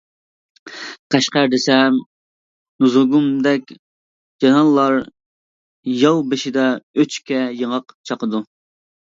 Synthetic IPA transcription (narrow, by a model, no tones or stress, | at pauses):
qʰæʃqæɾd̪ɪsɛm | nuzoɡumd̪ɛkʲ | d͡ʒɑnɑlˠːɑɾ | jɑwbɪʃid̪ɑøt͡ʃkʲɛjəŋəqt͡ʃʰɑqəd̪u